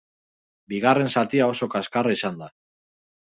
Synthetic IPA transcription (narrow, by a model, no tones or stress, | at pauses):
biɣare̞nsat̪iao̞so̞kaskaraisand̪a